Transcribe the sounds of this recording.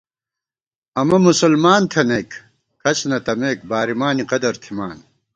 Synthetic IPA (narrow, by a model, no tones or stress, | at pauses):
ɐmɐmusulmaːnt̪ʰɐnek | kʰɐt͡ɕʰnɐt̪ɐmeːk̚baːɾimaːniqɐd̪ɐɾt̪ʰimaːn